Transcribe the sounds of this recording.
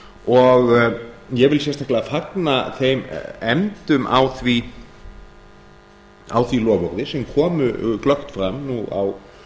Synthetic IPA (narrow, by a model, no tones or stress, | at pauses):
ɔɣ | jɛɣvɪlsjɛst̪ʰahklɪafaknaθejmɛmt̪ʏmʔa̰wθvi | a̰wθvilɔːvɔɾðɪsɛmkʰɔːmʏ̰klœxt̪fɾamnua̰w